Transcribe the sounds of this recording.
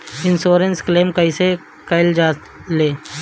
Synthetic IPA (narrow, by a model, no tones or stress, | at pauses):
ɪnsoːɾənskleːmkəise | kəɪld͡ʒaː | leː